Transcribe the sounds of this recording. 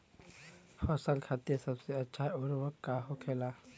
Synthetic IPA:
pʰəsəlkʰaːt̪iɾsəbseətːʃʰaʊɾʋəkːaɦokʰeːla

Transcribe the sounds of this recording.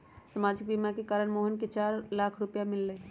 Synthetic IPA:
samaːd͡ʒɪk̚bimakekaːɾəɽmoːɦənket͡ʃaːɾlaːkʰɾʊpjamɪlːeː

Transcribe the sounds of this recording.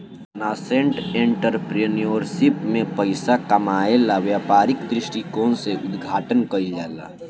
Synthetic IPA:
naːsẽɳʈẽɳʈəɾpɾenijoːɾsɪpmẽpəɪsakɐmaːelaʋjaːpaːɾɪkd̪ɾɪʃʈikoːnseʔʊd̪ɡʱaːʈənkɐid͡ʒaːla̰ː

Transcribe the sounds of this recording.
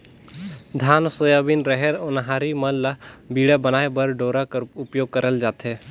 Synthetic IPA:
d̪ʱaːnsojaːbinɾəɦɛɾonɦaːɾiməlːabiːɽebənaːebəɾɖoːɾakʊpjoːɡ̚kəɾəld͡ʒaːt̪eː

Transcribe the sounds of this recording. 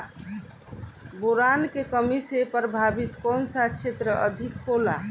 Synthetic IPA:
boɾankekəmisepəɾbʱabit̪konsat͡ʃʰet̪ɾəʔəd̪ʱikhola

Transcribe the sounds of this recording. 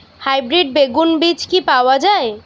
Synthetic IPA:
hajbɾiɖbeɡunbid͡ʑkipaoad͡ʒae

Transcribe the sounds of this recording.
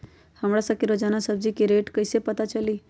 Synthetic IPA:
həmɽasəkiɾod͡ʒanasəb̚d͡ʒikiɾeʈkəjsepət̪at͡ʃəli

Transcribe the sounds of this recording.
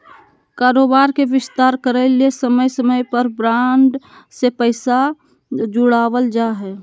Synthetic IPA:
kaːɾoːbaːɾkeʋɪst̪aːɾkəɾəliesəməjsəməjpəɾbɾãːɳɖsepəɪsa | d͡ʒʊɽaːʋəld͡ʒaɦɛː

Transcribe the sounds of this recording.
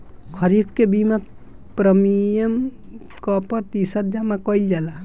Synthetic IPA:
kʰəɾibʰkebima | pɾəmijəmkɔpəɾt̪isət̪̚d͡ʒamakɔild͡ʒala

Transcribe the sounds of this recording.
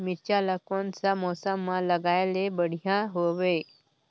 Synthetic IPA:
mit͡ɕaləkonsamɔsəmːaləɡajlebəɽ̤jãɦoʋe

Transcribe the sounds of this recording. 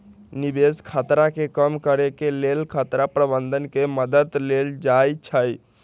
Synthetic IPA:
nibeskʰat̪ɾakekəmkəɾekelelkʰat̪ɾapɾəbənd̪ʱənkeməd̪ət̪leld͡ʒajt͡ʃʰəj

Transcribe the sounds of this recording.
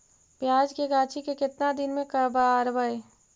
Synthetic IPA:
pjaːd͡ʒkeɡaːt͡ʃʰikekɪt̪nad̪ɪnmẽkəbaɾbəe

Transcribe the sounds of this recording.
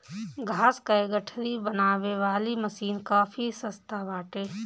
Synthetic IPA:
ɡʱaːskaeɡəʈʰɾibənaːʋeʋaːliməsiːnkaːfʰisəst̪ʰabaːʈeː

